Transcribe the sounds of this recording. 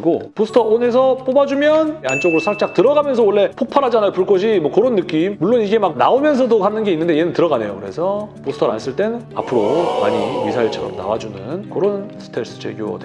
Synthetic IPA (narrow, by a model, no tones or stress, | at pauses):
ɡoposʰɯ̥tʰʌone̞s̬ʰʌp͈obad͡ʑumjʌnant͡ɕ͈ʌɡɯɾosʰak̚t͡ɕ͈ak̚tɯɾʌɡamjʌnsʰʌwʌɭːe̞pʰok̚pʰaɾɦad͡ʑanajopuɭk͈ʌɕʰimwʌkoɾonːɯk͈immuɭːoniɡe̞mak̚naomjʌns̬ʰʌdoɦanɯnɡe̞inːɯnde̞je̞nɯntɯɾʌɡane̞̰jo̰kɯɾe̞̰sʰʌposʰtʰʌɾa̰ns͈ɯɭt͈e̞na̰pʰɯɾoa̰ɲimisʰaiɭt͡ɕʰaɾa̰ɾona̰wad͡ʑunɯnkoɾonsʰɯ̥tʰeɭs͈ɯ̥d͡ʑḛɡjo̰ʌ̰de